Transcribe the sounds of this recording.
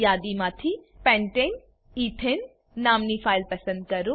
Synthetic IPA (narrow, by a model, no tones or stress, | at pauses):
jaːd̪imãːt̪ʰipɛ̃ɳʈen | iːʈʰenː | aːmnipʰaːɪlpɐsə̃nd̪̚kɐɾu